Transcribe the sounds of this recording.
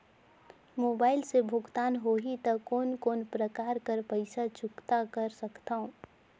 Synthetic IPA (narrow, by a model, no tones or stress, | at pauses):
moːbaːɪlsebʱʊɡt̪aːnɦoːɦit̪ɐkoːnkoːnpɾəkaːɾkəɾpəɪsat͡ʃʊkt̪akɐɾsɐkt̪aɦõ